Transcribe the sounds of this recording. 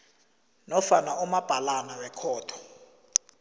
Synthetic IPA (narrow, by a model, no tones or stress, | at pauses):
nɔfanaumab̥ʱalanawɛkʰɔːtʰɔ̥